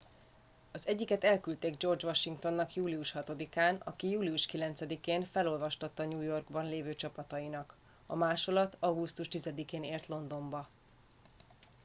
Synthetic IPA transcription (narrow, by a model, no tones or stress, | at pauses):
ɒzɛɟːikɛt̪ɛlkylt̪eːɡd͡ʒo̞rd͡ʒʋɒʃiŋkt̪o̞nːɒkjuːliuʃhɒt̪o̞d̪ikaːnɒ̰kijuːliuʃkilɛnt̪sɛd̪ikeːnfɛlo̞lvɒʃt̪ɒt̪ːɒɲuːjo̞rɡbɒnleːvøːt͡ʃɒpɒt̪ɒjinɒk | ɒ̰maːʃo̞lɒt̪ɒɡust̪uʃt̪izɛd̪ikeːneːrt̪lo̞nd̪o̞mbɒ